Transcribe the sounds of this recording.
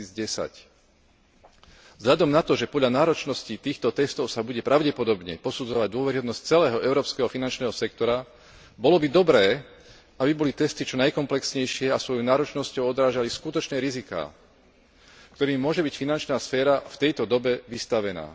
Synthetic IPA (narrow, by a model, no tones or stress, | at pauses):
iːd͡zɟɛsa̰c | vzɦʎad̪ɔmnat̪ɔʒɛpɔd̪ʎanaːɾɔt͡ʃnɔscit̪iːxt̪ɔt̪ɛst̪ɔʊsabuɟɛpɾaʊɟɛpɔd̪ɔbɲɛ̰pɔsud͡zɔʋaɟd̪ʊɔʋɛɾiɦɔd̪nsc̚t͡sɛlɛːɦɔʔɛʊɾɔːpskɛːɦɔfinant͡ʃnɛːɦɔsɛkt̪ɔɾa | bɔlɔbid̪ɔbɾɛː | abibɔlit̪ɛst̪it͡ʃɔnajkɔmplɛksɲɛjʃɪɛasʋɔjɔnaːɾɔt͡ʃnɔscɔʊɔd̪ɾaːʒaliskut̪ɔt͡ʃɲɛɾizika̰ː | kt̪ɔɾiːmmːʊɔʒɛbicfinant͡ʃnaːsfɛːɾaft̪ɛjt̪ɔd̪ɔbɛʋist̪aʋɛna̰ː